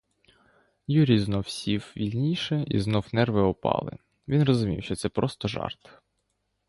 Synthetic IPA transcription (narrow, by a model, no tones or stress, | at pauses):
juɾʲiznɔwsʲiwʋʲilʲnʲijʃɛḭznɔwnɛrʋɪɔpɑ̰lˠɪ̰ | ʋʲinrɔzʊmʲḭwʃt͡ʃɔt̪sɛpɾɔst̪ɔʒɑ̰rt̪